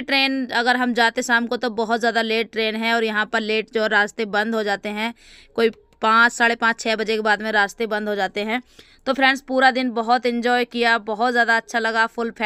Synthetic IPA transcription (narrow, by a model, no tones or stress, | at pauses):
ʈɾeːnɐɡəɾɦɐmd͡ʒaːt̪esaːmkot̪obɔɦʊt̪zjaːd̪aleːʈ̚ʈɾeːnɦɛ̃ɔːɾjɐɦãpəɾleːʈd͡ʒoːɛɾaːd͡ʒt̪ebɐ̃nd̪ʱɦod͡ʒaːt̪eɦɛ̃ | koːi | pãːt͡ʃsaːɽepãːt͡ʃt͡ʃʰɛːbɐd͡ʒekebaːd̪mẽɾaːd͡ʒt̪ebɐ̃nd̪ʱɦod͡ʒaːt̪eɦɛ̃ː | t̪opʰɾɛ̃ːɳspuːɾad̪ɪnbɐɦʊt̪ɪ̃ɲd͡ʒɔːjkijabɐɦʊt̪zjaːd̪aɐtːʃʰalɐɡafʰʊlpʰɛ